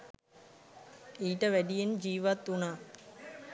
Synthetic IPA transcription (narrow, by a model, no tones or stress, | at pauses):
iːʈəʋæɖijend͡ʒiːʋat̪ːunaː